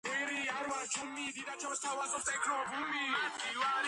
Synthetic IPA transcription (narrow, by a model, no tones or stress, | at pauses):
ɛɾiaɾwat͡ʃʰumːiːd̪id̪at͡ʃʰɔɾst̪ʰawazɔt̪ʼɛkʰɾɔbumːiaiwa